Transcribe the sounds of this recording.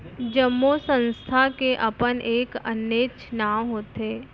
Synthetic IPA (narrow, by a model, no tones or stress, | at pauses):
d͡ʒəmːosə̃nst̪ʰakeʔɐpənʔeːkə̰nːeːt͡ʃnaːmɦoːt̪eː